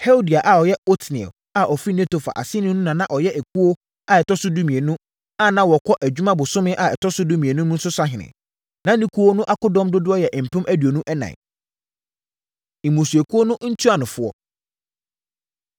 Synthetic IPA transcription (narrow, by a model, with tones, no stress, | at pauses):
hɛ˦o˦di˨a˨ʔa˨ɔ˨jɛ˦o˦tʰnɪ̃˨ɛ̰˨ | a˨ʔɔ˨fi˦n˦ɛ̃˦to˨fa̰˨ʔa̰˨sɪ˦nʊ̃˦nũ˦nã˨nã˦ʔɔ˨jɛ˦ʔæ˨kʰu˦o˦ | a˨ɛ˨tʰɔ˦sʊ˦du˦mĩ˨e˨nũ˦ | a˦˨nã˦wɔ˨kʰɔ˦ʔæ˨d͡ʑᶣu˦mã˦bʊ˨sʊ̃˦mɪ̃˦ʔa˨ɛ˨tʰɔ˦sʊ˦du˦mĩ˨e˨nũ˦n̩˦sʊ˦sa˦ɦɪ̃˨nɪ̰̃˨ | nã˦nĩ˦kʰu˦wo˦nʊ̃˦ʔa˦kʊ˦dɔ̃˦mdʊ˦dʊ˦ɔ˦jɛ˨ʔm̩˨pʰʊ̃˦mʔæ˦dɥo˨nũ˦ʔɛ˦nã̰˨ | ĩ˨mũ˨su˨æ˨kʰu˦o˦nʊ̃˦n̩˦tʰu˦a˨nʊ̃˨fʊ˦ɔ˦